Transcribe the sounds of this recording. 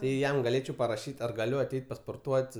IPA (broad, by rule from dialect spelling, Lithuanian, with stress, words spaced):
ˈtɐɪ ˈjɛm ɡɐˈlʲeːt͡ʃʲɛʊ pɐrɐˈʃʲiːtʲ ɐr ɡɐˈlʲʊ ɐˈtʲɛɪt pɐspoːrˈtuɔtʲ